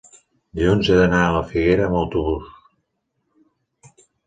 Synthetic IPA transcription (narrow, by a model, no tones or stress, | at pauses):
liunzeðənaələfiɣeɾəːməwt̪uβus